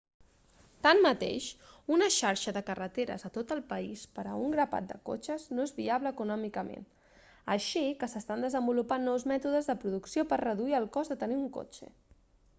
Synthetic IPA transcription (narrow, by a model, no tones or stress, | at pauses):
t̪ammət̪ḛʃunəʃaɾʃəðəkərət̪eɾə̰zət̪ot̪əlˠpəispəɾə̰uŋɡɾəpa̰t̪̚d̪əko̰t͡ʃəznoezβiaβləːkunɔmikəmḛn | əʃikəsəst̪and̪əzəmbulupanːɔwzmɛt̪uðəzðəpɾuðuksiopəɾrəðuiəlˠkɔzðət̪əniuŋko̰t͡ʃə̰